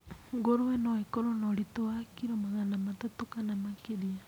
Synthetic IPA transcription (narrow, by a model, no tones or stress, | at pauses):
ŋɡoɾoɛnɔɛkɔɾɔnɔɾitoakiɾomaɣanamatatokanamakeɾia